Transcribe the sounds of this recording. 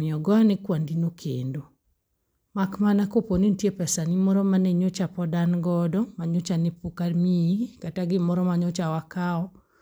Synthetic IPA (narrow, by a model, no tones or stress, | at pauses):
mɪɔɡɔanɛkwandinokʰḛndo | makmanakoponintjepɛsanimɔɾɔmaneɲot͡ʃapɔdanɡɔdɔmaɲot͡ʃanepukaɾmiikataɡɪmɔɾɔmaɲot͡ʃawakaɔ